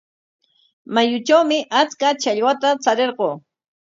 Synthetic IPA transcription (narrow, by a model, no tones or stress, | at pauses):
majʊt͡ʃawmɪʔat͡skat͡ʃaʎwat̪at͡saɾeɾɢoː